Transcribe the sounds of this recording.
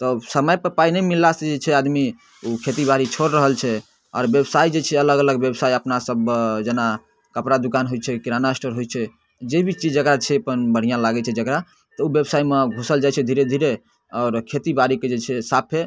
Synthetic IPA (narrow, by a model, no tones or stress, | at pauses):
t̪ɔsəməjpəɾpainɛmilːased͡ʒet͡ʃʰɛad̪mi | ukʰet̪ibaɾit͡ʃʰoɾɾəɦəlt͡ʃʰɛ | ɔ̰ːɾbjebsaid͡ʒet͡ʃʰɛələɡələɡbjebsaiəpnasəbd͡ʒena | kəpɾad̪ukanɦojt͡ʃʰɛkiɾanasʈəɾɦojt͡ʃʰɛ | d͡ʒebʱit͡ʃid͡ʒd͡ʒəkɾat͡ʃʰɛəpənbəɽ̤ijãlaɡɛt͡ʃʰɛd͡ʒəkɾa | t̪ɔubjebsaimeɡʱusəld͡ʒajt͡ʃʰɛd̪ʱiɾed̪ʱiɾe | ɔːɾkʰet̪ibaɾiked͡ʒet͡ʃʰɛsapʰe